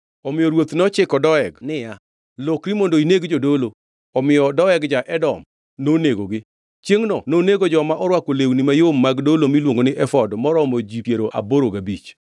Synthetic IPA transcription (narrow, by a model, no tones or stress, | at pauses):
ɔmɪjɔɾwot̪nɔt͡ʃɪkɔdɔɛɡnɪja | lɔkɾimondoineɡd͡ʒodolo | ɔmɪjɔdɔɛɡd͡ʒaʔɛdɔm | noneɡoɡɪ | t͡ʃjeŋnɔnoneɡod͡ʒɔmaʔɔɾwakolewnimajomːaɡdolomilwoŋɡonɪʔɛfɔdmɔɾɔmod͡ʒipjeɾoʔa̰boɾoɡabit͡ʃ